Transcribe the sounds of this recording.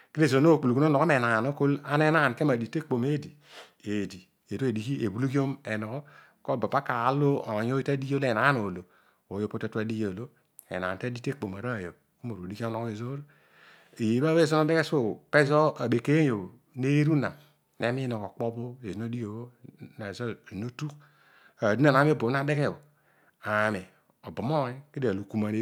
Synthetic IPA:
ke˦ɾe˦˨zo˨no˦˨k͡pu˨lu˨ku˦o˦no˨ko˦me˨na˨no˦ko˦la˦ne˦na˦˨ke˦ma˨di˨te˦k͡po˨me˦˨di˨ | e˨di˨ | e˨ɾo˦e˨di˨ki˦e˨bu˦lu˦ki˦o˦me˨nɔ˨kɔ˦ | ko˦˨ba˨ba˦ka˨˦lo˦o˨jo˦i˦ta˦di˦jo˦le˨na˦no˨lo˨ | o˨jo˦po˦te˦tu˦a˦di˦jo˨lo˦ | ḛ˨na̰˨ta˦di˦te˦˨k͡po˨m˨a˨ɾa˦˨jo˨ | o˦mo˨ɾo˨di˦ki˦o˦no˦ke˨zo˦ɾ | e˨je˨˦ba˦e˦˨zo˦no˦de˦ke˦so˦pe˦zo˦a˨be˨ke˦jo˨ | ne˦ɾu˦na˨ | ne˨˦mi˦o˨ko˨k͡po˦bo˦e˨zi˨˦o˦di˦jo˨˦o˦na˨zo˦˨no˦tu˦k | a˨du˦a˦˨na˨˦mi˦˨bo˨˦na˦de˦ke˦˨o˨ | a˨me˨ | o˨bo˨m˦o˦˨˦ke˦di˨a˨lo˨ku˨ma˨ne˨˦

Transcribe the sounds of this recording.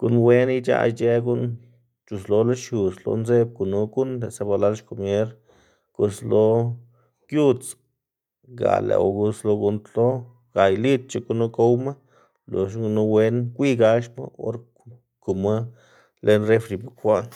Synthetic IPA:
ɡ̥u˧nwe˦ni˧t͡ʃa̰˦˧t͡ʃe˦ɡu˦n | t͡ʃu˨slo˧la˦ʃu˨slo̰˧nze˦b̚ku˨nu˧˦ɡu˦nle˨sa˧ba˧la˦lʃko˨mje˦ɾ | ko˧slo˧˦ | kju˦t͡s | ɡa̰˨lḛ˨wɡu˧slo˧ɡu˧nt̪lo˦ | ɡa˨jli˦t̪̚t͡ʃe˧ku˧no˦ko˦wma˦ | lo˨ʃu˧nu˧we˧nkʷi˦ɡa˧ʃma̰˦o̰˦ɾ | ku˨ma˦ | le˧nre˦fɾi˨bu˨kxʷa˦n

